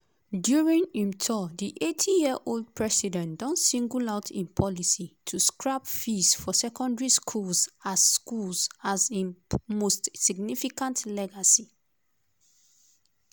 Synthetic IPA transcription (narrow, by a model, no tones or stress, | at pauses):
djuɹĩnĩmtʰɔdiʔetʰijiəʔold̚pʰɹɛsidɛ̃ntdɔ̃nsĩŋɡulaʊtʰĩnpʰɔlisitʰuskɹapfisfɔsɛkɔ̃ndɹiskʰulsasskulsazĩnmostsiɡnifikãntlɛɡasi